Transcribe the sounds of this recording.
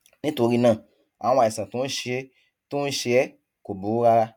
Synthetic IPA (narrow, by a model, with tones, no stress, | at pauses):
nĩ˦to˨˧˦ɾi˧nã˦˨ | ã̰˨˦a˨i˨sã˨tu˨˦ʃi˦ | tu˦ʃi˧ɛ˦ | ko˨bu˨˦u˦ɾa˦ɾa˦